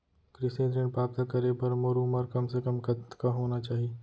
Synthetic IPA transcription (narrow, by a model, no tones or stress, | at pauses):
kɾɪsẽːd̪ɾẽɳpaːb̚t̪akɐɾepɐɾmoɾuməɾkɐmsekɐmkɐt̪kaɦoːnat͡ʃaːɦie